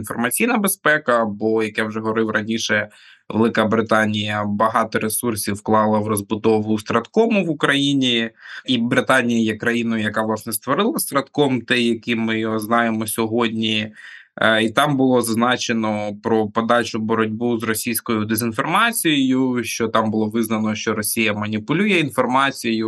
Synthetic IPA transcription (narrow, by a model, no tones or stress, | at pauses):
infɔrmɐt͡sʲijnɐbespɛkɐbɔjɐkɛwʒɛɦɔʋɔɾɪwɾɐnʲiʃɛ | ʋḛlˠɪkɐbɾɪt̪ɑnʲijɐbɐɦɑt̪ɔɾesursʲiwklˠɑlˠɐʋrɔzbʊd̪ɔʋʊst̪ɾɐt̪kɔmʊʋʊkɾɐjinʲiibɾɪt̪ɑnʲijɐjɛkɾɐjinʊjʊjɐkɑʋlˠɑsnɛst̪ʋɔɾɪlˠɐst̪ɾɐt̪kɔmt̪ɛjɐkʲimɪjɔɦɔznɑjemɔsʲɔɦɔdʲnʲi | it̪ɑmbʊlˠɔzɐznɑt͡ʃenɔpɾɔpɔd̪ɑt͡ʃʊbɔɾɔdʲbuzrɔsʲijsʲkɔjʊd̪ezʲinfɔrmɑt͡sʲijɪjʊʃt͡ʃɔt̪ɑmbʊlˠɔʋɪznɐnɔʃt͡ʃɔɾɔsʲijɐmɐnʲipʊlʲujɛinfɔrmɑt͡sʲijjʊ